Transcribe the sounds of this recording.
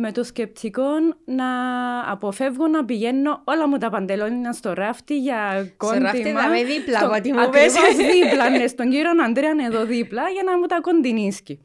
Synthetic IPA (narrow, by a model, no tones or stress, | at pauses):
me̞t̪oscep̚t͡s̪ʰiko̞nːɐ̰ːpo̞fe̞vɣonɐpiʝe̞nːo̞olɐmut̪ɐpɐnd̪elonɲɐnst̪o̞ɾɐft̪iʝɐkond̪imðiplɐot̪imeszðiplɐnːest̪oɲɟiɾonɐnd̪ɾeɐne̞ðo̞ðiplɐʝɐnɐmut̪ɐko̞nd̪inisci